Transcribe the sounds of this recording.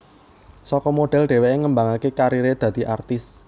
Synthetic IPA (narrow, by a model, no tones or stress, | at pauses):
sɔkɔmoɖ̥ɛ̤lɖ̥e̤weʔeŋəmbaŋakekaɾiɾed̪̥ä̤d̪̥i̤ʔart̪ɪs